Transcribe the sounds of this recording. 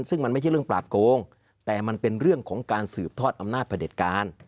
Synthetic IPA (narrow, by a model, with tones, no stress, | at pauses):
sɯ˥˩ŋma˧nma˥˩t͡ɕʰa˥˩ɾɯ˥˩ŋpla̰ː˨˩p̚koː˧ŋ | t̪ɛː˨˩ma˧npe˧nɾɯ˥˩əŋkʰɔː˩˦ŋkaː˧nsɯː˨˩p̚t̪ʰɔː˥˩t̪̚ʔa˧mnaː˥˩pʰde˨˩t̪̚kaː˧n